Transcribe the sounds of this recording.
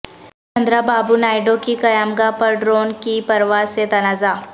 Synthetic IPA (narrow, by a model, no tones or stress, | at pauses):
t͡ʃɐ̃nd̪ɾabaːbunaːɪɖokikɐjaːmɡapɐɾɖɾoːnkipɐɾʋaːset̪ɐnaːzaː